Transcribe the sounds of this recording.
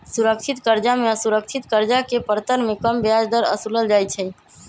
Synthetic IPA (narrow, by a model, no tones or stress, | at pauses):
suɾəkt͡ʃʰit̪kəɾd͡ʒameəsuɾək̚t͡ʃʰit̪kəɾd͡ʒakepəɾt̪əɾmekəmbjad͡ʒd̪əɾə̰suləld͡ʒajt͡ʃʰə